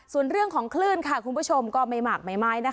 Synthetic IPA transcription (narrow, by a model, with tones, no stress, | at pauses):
su˨˩ənɾɯ˥˩əŋkʰɔː˩˦ŋkʰlɯː˥˩nkʰa˧˥˩kʰu˧nbʰu˥˩t͡ɕʰo˧mkɔː˥˩ma˧jmaː˨˩k̚ma˨˩jmaː˦˥jna˦˥kʰ